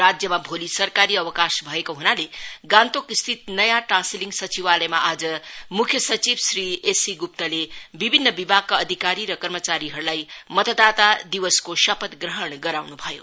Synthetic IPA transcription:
ɾad͡zjʌmabʱolisʌrkaɾiʌwʌkasbʱʌekoɦunaleɡãnt̪okist̪ʰit̪nʌjaʈrãnsiliŋɡsʌt͡siwalʌjmaʔad͡zʌmukʰjʌsʌt͡sibsriesiɡup̚t̪ʌlebibʱinːʌbibʱaɡ̚kːaʌd̪ʱikaɾiɾʌkʌrmʌt͡saɾiɦʌɾulajmʌt̪ʌd̪at̪ad̪iwʌskoʃʌpʌt̪ɡɾʌɦʌɽɡʌɾawnubʱʌjo̰

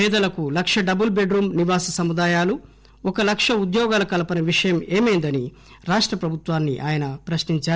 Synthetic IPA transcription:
pɛːd̪ɐlɐkulɐkʂɐɖɐbulbe̞ɖɾuːmniʋaːsɐsɐmud̪aːjaːlu | ɔkɐlɐkʂɐud̪jɔːɡaːlɐkɐlɐpɐnɐʋiʂɐjɐmeːmeːnd̪ɐni | ɾaːʂʈɾɐpɾɐbʱut̪ʋaːnːḭʔa̰ːjɐnɐpɾɐʃniɲt͡ʃaː

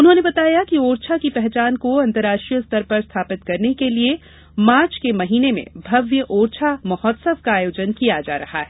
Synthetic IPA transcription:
ʊnɦõnebɐt̪aːjakioːɾt͡ʃʰakipɛɦt͡ʃaːnkoɐ̃nt̪əɾːaːʃʈɾijəst̪ʰɐɾpɐɾst̪ʰaːpɪt̪kɐɾnekelie | maːɾt͡ʃkemɐɦiːnemḛ̃bʱɐʋjəʔoːɾt͡ʃʰamɐɦɔːt̪səʋkaːjoːd͡ʒənkijad͡ʒa̰ːɾɐha̰ɦɛː

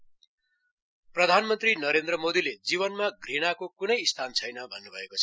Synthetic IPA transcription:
prʌd̪ʱanmʌnt̪rinʌɾend̪rʌmod̪iled͡ziβʌnmaɡriñakokunʌjist̪ʰant͡sʰʌjnʌbʱʌnːubʱʌekoʌ

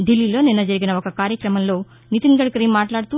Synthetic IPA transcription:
ɖilːiːlo̞ːninːɐd͡ʒɐɾiɡinɐokɐkaːɾjɐkɾɐmɐmlo̞ː | nit̪iŋɡɐɭkɾiːmːaːʈlaːɽt̪u

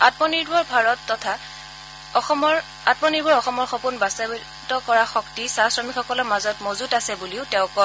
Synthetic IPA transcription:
atmɔniɹbɔɹbʱaɹɔtːɔtʰa | ɔxɔmɔɹ | at̚mɔniɹbɔɹɔxɔmɔɹxɔpunbasabi | tɔkɔɹaxɔktisasɹɔmikxɔkɔlɔɹmazɔtmozutasɛbuliʊtɛʊ̃kɔ

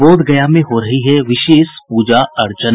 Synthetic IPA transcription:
oːd̪ɡɐjamẽɦoɾɐɦiɦɛʋɪʃeːʃpuːd͡ʒaɐɾt͡ʃə

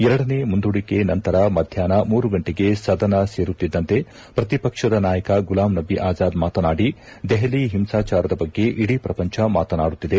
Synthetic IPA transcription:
ɛɾɐɽɐnemund̪uɽikenɐnt̪ɐɾɐmɐd̪ʱjaːnɐmuːɾuɡɐɳʈeɡesɐd̪ɐnɐseːɾut̪ːid̪ːɐnt̪e̞ | pɾɐt̪ipɐkʂɐd̪ɐnaːjɐkɐɡulaːmnɐbiʔaːd͡ʒaːd̪maːt̪ɐnaːɽi | d̪ɛɦɐliɦimsaːt͡ʃaːɾɐd̪ɐbɐɡːe̞ʔiɽipɾɐpɐɲt͡ʃʰɐmaːt̪ɐnaːɽut̪ːid̪e

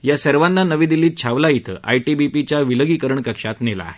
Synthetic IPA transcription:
jasəɾʋanːanəʋĩːd̪ilːiːt̪̚t͡ɕʰaʋlait̪ʰə̰ʔa̰jʈibipit͡ɕaʋiləɡiːkəɾəɳkəkʂat̪nela̰ːɦe

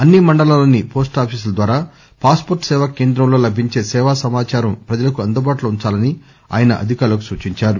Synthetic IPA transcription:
ɐnːimɐɳɖɐlaːloːnipo̞ːsʈaːpʰiːs̬ulɐd̪ʋaːɾaː | paːspoɾʈsɛːʋaːke̞ːnd̪ɾɐmlo̞ːlɐbʱiɲt͡ʃe̞ːsɛːʋaːsɐmaːt͡ʃaːɾɐmpɾɐd͡ʒɐlɐkuɐnd̪ɐbaːʈlɐuɲt͡ʃaːlɐni | a̰ːjɐnɐ̰ʔɐ̰d̪ʱikaːɾlɐkusuːt͡ʃiɲt͡ʃaːɾu

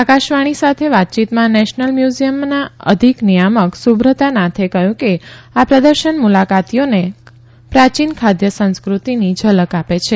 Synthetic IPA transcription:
akaʃʋaɽ̃isat̪ʰeʋat̪̚t͡ʃit̪mãnɛʃnəlmjuzijəmnaə̰d̪ʱiknijaməksubɾət̪anat̪ʰekəjũkeapɾəd̪əɾʃənmulakat̪ijone | pɾat͡ʃinkʰad̪jəsə̃nskɾut̪inid͡ʒʱələkapet͡ʃʰe

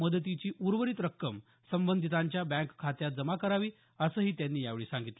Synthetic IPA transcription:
məd̪ət̪it͡ɕiːʔuɾʋəɾiːt̪ɾəkːəm | səmbənd̪ʱit̪ãɲt͡ɕjabæ̃ŋkkʰːat̪jat̪̚d͡zəmakəɾaʋiː | əsəːɦiːt̪janːiːjaʋɭiːsãŋɡit̪le

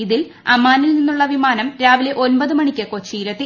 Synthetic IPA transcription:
iðil | ɐmːaːnilninːuɭːɐʋimaːnɐmɾaːʋile̞ʔo̞nbɐðɨmɐɳikʲːɐko̞t͡ɕːiːɾɐt̪ːi

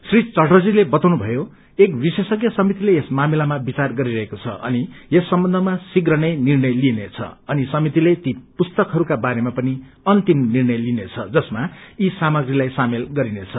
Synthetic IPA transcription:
srit͡sʌrʈʌd͡zilebʌt̪awnubʱʌjo | ekbisesʌɡjʌsʌmit̪ileesmamilamabit͡sarɡʌɾiɾʌɦekot͡sʰʌ̰ʔʌ̰niesːʌmbʌnd̪ʱʌmasiɡrʌnʌjnirnʌjlinet͡sʰʌ̰ʌnisʌmit̪ilet̪ipust̪ʌkɦʌɾukabaɾemapʌni | ʌnt̪imnirnʌjlinet͡sʰʌ̰d͡zʌsmaisamʌɡrilajsamelɡʌɾinet͡sʰʌ

